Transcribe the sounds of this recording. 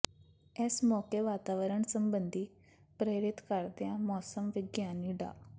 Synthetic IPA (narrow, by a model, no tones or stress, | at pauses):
eːsmɔːkeʋaːt̪aːʋəɾəɳsəmbənd̪ʱiː | pɾeːɾɪt̪kəɾd̪ejãmɔːsəmʋɪɡjaːniːɖa̰ː